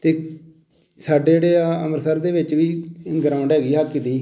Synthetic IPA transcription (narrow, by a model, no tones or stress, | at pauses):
t̪eː | saːɖeeːɽeːə̰məɾsəɾd̪eːʋɪt͡ʃʋiːɡəɾãːɳɖɦɛːɡiːɦaːkːɪt̪iː